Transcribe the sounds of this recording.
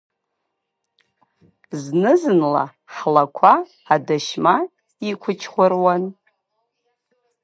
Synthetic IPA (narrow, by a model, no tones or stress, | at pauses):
znɨzɨnla̰ | ħlakʷʰaː | daʃma | ikʷʰʊt͡ʃʰχʷʊrwan